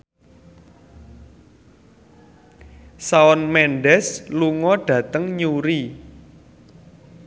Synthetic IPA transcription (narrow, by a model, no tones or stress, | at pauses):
saɔnmɛnɖɛsluŋɔɖ̥ä̤t̪əŋɲuɾi